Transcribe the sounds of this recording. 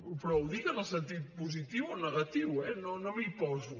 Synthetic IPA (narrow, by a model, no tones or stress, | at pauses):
pɾɔuðikənəlˠsənt̪it̪̚puzit̪iwonəɣɐt̪iwɛnonomipɔzu